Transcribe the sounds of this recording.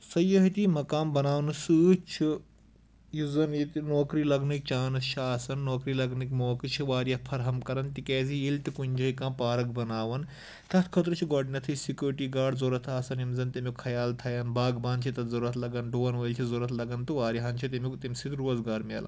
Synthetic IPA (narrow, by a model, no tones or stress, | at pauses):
sɐjɐɦit̪imɐkaːmbɐnaːʋwnɨsɨːt͡ʃʰi | jizɐnit̪inoːkɾiːlɐɡnik̚t͡ʃaːnɨst͡ʃʰiaːsɐnːoːkɾiːlɐɡnikʲmoːkɨt͡ʃʰiʋaːɾijɐpʰɐɾɦɐmkɐɾɐnt̪ikeːziilt̪ikunʲd͡ʒɐikãːpaːɾɐk̚bɐnaːʋɐn | t̪ɐt̪ʰkʰɐt̪ɾɨt͡ʃʰiɡoɖnʲɐt̪ʰɨsikʲjuːɾʈiːɡaːɖzoːɾɐt̪ʰaːsɐnimzɐnt̪imukʰɐjaːlt̪ʰɐjɐnbaːɡbãːnt͡ʃʰit̪ɐt̪zɐɾuɾɐt̪ʰlɐɡɐnɖoːnʋɐilʲt͡ʃʰizoɾɐt̪ʰlɐɡɐnt̪uʋaːɾiɦɐnt͡ʃʰit̪imukt̪imʲsit̪ɾoːzɡaːɾmeːlɐ̰